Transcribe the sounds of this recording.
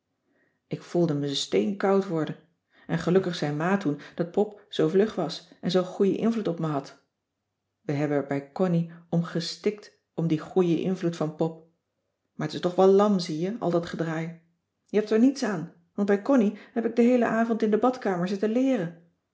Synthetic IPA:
ɪkfulˠdəməstejnkɑwtʋɔɹdən | ʔɛnχəlɵkəχsɛjmaːtund̥ɑt̚pɔpz̥owvlɵχʋɑsɛnzowχujə̰ʔɪ̰nvlutɔpməɦɑt | ʋəɦɛbənɛɹbɛjkɔniɔmχəstɪk̚t | ɔmdiχujəʔɪ̰nvlutfɑnpɔp̚ | maːɹətɪ̥stɔχʋɛllɑmzijəɑ̰lˠdɑtχədraːj | jəɦɛp̚tɛɹnitsaːn | ʋɑnt̚bɛjkɔniɦɛpɪɡ̚dəɦejlə̰ʔaːvɔntɪndəbɑtkaːməɹzɪtəlɪːrən

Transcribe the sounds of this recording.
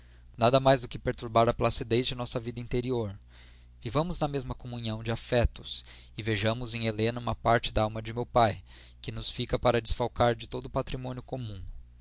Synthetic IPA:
nad̪ɐmajzd̪ʊkɪpeɾt̪uɾbaɾɐplasid̪ejzd͡ʒɪnɔsɐvid̪ɐĩnt̪eɾioɾ | vivɐ̃mʊznɐmezmɐkomũɲiɐ̃w̃d͡ʒɪafɛt̪ʊ̥s | ɪveʒɐ̃mʊzẽj̃elẽnɐũmɐpaɾt͡ʃɪd̪ɐawmɐd͡ʒɪmewpaj | kɪnʊsfikɐpaɾɐd͡ʒɪsfawkaɾd͡ʒɪt̪od̪ʊpat̪ɾimõniʊkomũ

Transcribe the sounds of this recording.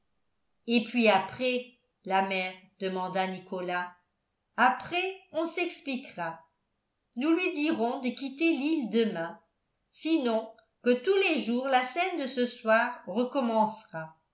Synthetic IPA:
epɥiapχɛ | lamɛːʁd̪əmɑ̃d̪anikɔla | apχɛɔ̃sɛksplikʁa | nulɥid̪iʁɔ̃d̪əkʲit̪elild̪əmɛ̃ | sinɔ̃ | kət̪uleʒuːʁlasɛnd̪əsəswaːʁʁəkɔmɑ̃sʁa

